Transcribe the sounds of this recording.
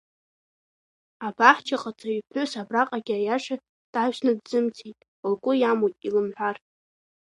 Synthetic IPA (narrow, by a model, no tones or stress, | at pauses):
abaħt͡ʃʰaqʼat͡sʰʼaɥpʰʷʊsabraqʼaɡʲajaʂa | d̥ʕaʒʷʃnɨdzɨmt͡sʰitʼ | alɡʷʼʊjamojtʼilɨmħʷar